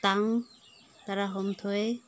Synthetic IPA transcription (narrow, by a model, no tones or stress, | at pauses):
t̪aŋ | t̪aɾaɦɔmt̪ʰɔe